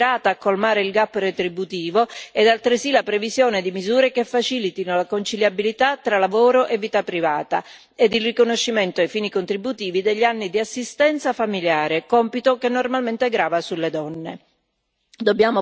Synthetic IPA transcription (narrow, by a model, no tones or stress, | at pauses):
ɾaːt̪aːkːolmaːɾeilɡapːret̪ɾibut̪iːvoɛd̪alt̪ɾɪsilapɾevizjɔːned̪imizuːɾekefːat͡ʃiːlit̪inolakont͡ʃiljabilit̪at̪ːɾalavoːɾoʔevːiːt̪apːɾivaːt̪a | ed̪ilrikonoʃːiment̪oajfiːnikont̪ɾibːut̪iːvid̪eʎːanːid̪iasːist̪ɛnt̪safamiljaːɾekɔmpit̪okenːormalment̪ɛɡɾaːvasulːed̪ɔnːe | d̪obːjaːmo